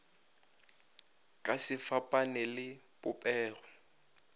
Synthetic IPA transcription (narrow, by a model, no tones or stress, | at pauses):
kʼasɪfapʼanɛlɪ | bʊpʼɛːrɔ